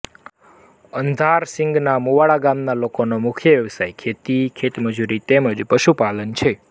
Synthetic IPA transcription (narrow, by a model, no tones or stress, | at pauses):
ənd̪ʱaɾsɪ̃ŋɡnamuʋaɭaɡamnalokonomʊkʰjəʋjəʋsajkʰet̪ikʰet̪məd͡ʒuɾit̪eməd͡ʒpəʃupalənt͡ʃʰe